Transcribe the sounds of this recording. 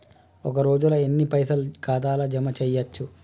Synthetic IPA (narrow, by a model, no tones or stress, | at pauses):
ɔkɐɾo̞ːd͡ʒulɐenːipɐjsɐlkaːd̪aːlɐd͡ʒɐmɐt͡ʃɛjːɐt͡ʃːu